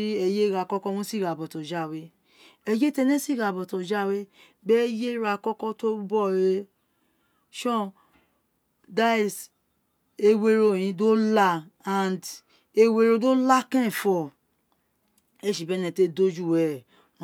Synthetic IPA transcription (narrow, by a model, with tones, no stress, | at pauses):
i˦ɛ˧je˦ɾa˧˨kɔ˦kɔ˦mũ˦si˦˨ɾa˨bɔ˨tõ˨d͡ʒa˦˨we˧˦ | ɛ˧je˦te˧˦nẽ˦si˦˨ɾa˨bɔ˨tɔ̃˨d͡ʒa˦˨we˦ | bɛ˦je˦ɾa˧˨kɔ˦kɔ˦to˦bɔ˦˨ɾe˧ | ʃɔ̃˦ | da˦i˨s | e˧we˧ɾo˧˦˨j̃ĩ˧do˦la˧ã˨nd | e˧we˧ɾo˧do˦la˦kɛ̃˦˨fɔ˧˨ | e˦˨ʃi˨bɛ˦nɛ̃˧˨te˦do˦d͡ʒu˦˨wɛ˦˨